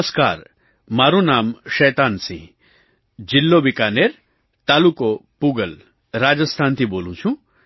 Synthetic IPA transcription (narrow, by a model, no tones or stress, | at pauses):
ska̰ːɾ | maːɾunaːmʃɛːt̪aːnsḭ̃ | d͡ʒilːoːbikaːneːɾ | t̪aːlukopuːɡɐl | ɾaːd͡ʒɐst̪ʰaːnt̪iboːlũt͡ʃʰũ